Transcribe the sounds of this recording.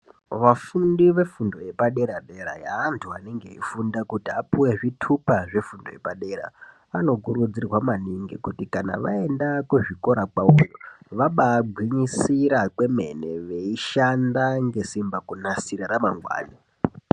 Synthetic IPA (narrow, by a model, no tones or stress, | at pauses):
ʋafundiʋe̞fundo̞je̞paɗe̞ɾaɗe̞ɾa̰jaːntʰuaneŋɡe̞̰ḭfundakutiapuwe̞ʐitʰupaʐe̞fundoje̞paɗe̞ɾa̰ | ano̞kuɾud͡zirwamaniŋɡekutikana̰ʋa̰e̞ndakuʐiko̞ɾakaoju | ʋaɓaːɡʱwiɲisiɾakwe̞me̞̰ne̞ʋeiʃandaŋɡe̞simbakunasiɾaɾamaŋɡwa̰ːni